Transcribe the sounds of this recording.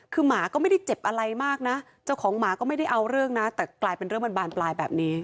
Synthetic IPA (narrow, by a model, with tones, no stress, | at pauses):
kʰɯː˧maː˩˦kɔː˥˩ma˥˩jda˥˩jt͡ɕe˨˩p̚ʔa˧ɾa˧jmaː˥˩k̚na˦˥ | t͡ɕaː˥˩wkʰɔː˩˦ŋmaː˩˦kɔː˥˩ma˥˩jda˥˩jʔa˧wɾɯ˥˩əŋna˦˥t̪ɛː˨˩klaː˧jpe˧nɾɯ˥˩ma˧nbaː˧nplaː˧jbɛ̰ː˨˩p̚niː˦˥